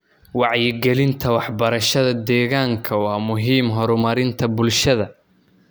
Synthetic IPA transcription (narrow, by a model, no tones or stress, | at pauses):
wɑʕjɪɡɛlɪnt̪ʰɐwɑħbɐɾɐʃɐðɐd̪ɛːɣaːŋkʰɐwɑːmʊɦiːmɦɔɾʊmɐɾɪnt̪ʰɐbʊlʃɐðɐ